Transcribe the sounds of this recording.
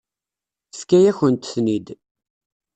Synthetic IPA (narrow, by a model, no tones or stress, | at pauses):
skæjæçənt̪θnid̪